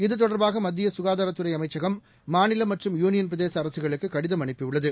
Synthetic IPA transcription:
ɪðɯt̪̬ɔɽɐɾbaːɣɐmɐd̪ːɪjɐsʊɣaːðaːɾɐt̪ːɯɾɐɪɐmɐɪt͡ʃːɐɣɐmː | aːnɪlɐmːɐʈrɯmjuːnɪjɐnp̬ɾɐðeːsɐːɾɐsɯɣɐɭɯkːɯkːɐɽɪðɐmɐɳɪpːɪʊɭːɐðɯ

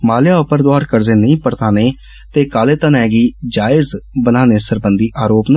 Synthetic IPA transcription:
maːljaːʊpəɾd̪oaːɾkəɾzeːnəĩːpəɾt̪aːneː | t̪eːkaːleːt̪ənɛːɡiːd͡ʒaːɪzbənaːneːsəɾbənd̪iːʔaːɾoːpnə

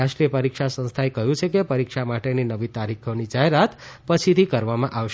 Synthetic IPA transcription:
aʃʈɾijəpəɾikʃasə̃ñst̪ʰaekəɦjũt͡ʃʰekepəɾikʃamaʈeninəʋit̪aɾikʰonid͡ʒaɦeɾat̪ | pət͡ʃʰit̪ʰikəɾʋamãʔaʋʃ

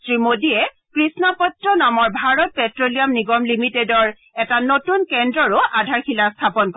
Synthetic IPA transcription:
sɹimodiɛ | kɹisnapɔtɹɔnamɔɹbʱaɹɔt̚pɛtɹolijamniɡɔmlimitedɔɹ | ɛtanotunkɛndɹɔɹʊʔadʱaɹxilastʰapɔnk

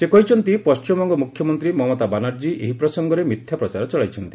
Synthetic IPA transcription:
sekɔɦit͡ʃʰɔnt̪ipɔst͡ʃimɔŋɡɔmukʰjɔmɔnt̪ɾimɔɦɔmɔt̪abanaɾd͡ʒiʔeɦipɾɔsɔŋɡɔɾemit̪ʰjapɾɔt͡ʃaɾɔt͡ʃɔɭajt͡ʃʰɔnt̪i

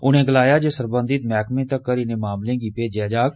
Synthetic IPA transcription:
ʊnẽːɡəlaːjaːd͡ʒeːsəɾbənd̪ɪt̪mɛːkmẽːt̪əkːəɾiːnẽːmaːmlẽːɡiːpeːd͡ʒaːd͡ʒaːk

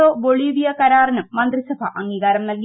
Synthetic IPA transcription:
oːboɭiːʋijɐkɐɾaːrɐnɐmːɐnd̪risɐbʱɐ̰ʔɐŋːiːɣaːɾɐmnɐlɡi

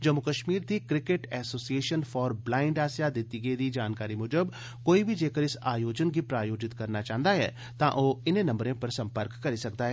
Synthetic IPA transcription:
d͡ʒɐmːʊkəʃmiːɾd̪iːkɾɪkeʈɛːsoːsieːʃənfʰɔːɾblaːɪɳɖaːsjad̪ɪt̪iɡed̪id͡ʒaːnkaːɾimʊd͡ʒəb | koːibʱid͡ʒeːkəɾɪsaːjoːd͡ʒənɡipɾaːjoːd͡ʒɪt̪kɐɾnat͡ʃãːɦnd̪aɦɛ̰ː | t̪ãːʔoːɪnẽnɐ̃mbɾẽːpɐɾsɐ̃mpəɾkːɐɾisɐkd̪aːɦɛː

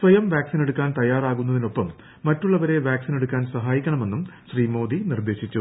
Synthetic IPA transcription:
sʋɐjɐmʋjaːksine̞ɽukːaːnt̪ɐjaːraːɣunːɐðino̞pːɐmː | ɐtːuɭːɐʋɐɾe̞ʋjaːksine̞ɽukːaːnsɐɦaːjikʲːɐɳɐme̞nːumɕriːmo̞ːd̪inird̪e̞ːɕit͡ɕːu

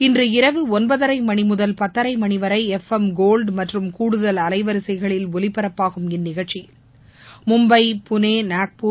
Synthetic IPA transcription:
ɪndrɯɪɾɐʋɯɔnbɐðɐɾɐɪmɐɳɪmʊðɐlpɐt̪ːɐɾɐɪmɐɳɪʋɐɾɐɪɛfɛmɡoːlɖmɐʈrɯmkuːɽɯðɐlɐlɐɪʋɐɾɯsɐɪɣɐɭɪlɔlɪpːɐɾɐpːaːɣɯmɪnːɪɣɐɭt͡ʃːi | mʊmbɐɪpʊneːnaːk̚pu

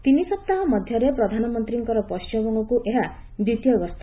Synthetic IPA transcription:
t̪inisʌp̚t̪aɦʌmʌd̪ʱjʌɾeprʌd̪ʱanɔmʌnt̪riŋkʌɾɔpɔst͡ʃʌbɔŋɡɔkuʔeɦa | d̪ut̪ijʌɡʌst̪

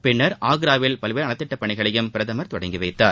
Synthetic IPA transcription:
pɪɳːɐɾʔaːɣɾaːʋɪlpɐlʋeːɾɐɳɐt̪ːɪʈːɐpːɐɳɪɣɐɭɐjɯmpɪɾɐðɐmɐɾt̪ɔɽɐɪŋɡɪʋɐɪt̪ːaːɾ

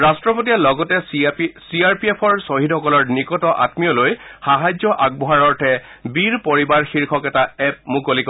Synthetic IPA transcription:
ɹastɹɔpotijalɔɡɔtɛsiaɹpiepʰɔɹsoɦidhɔkɔlɔɹnikɔtɔʔa̰tmijɔlojxaɦajd͡ʑɔʔaɡ̚bɔɦaɹɔɹtʰɛbiɹpoɹibaɹxiɹkʰɔkɛtaɛp̚mukolik

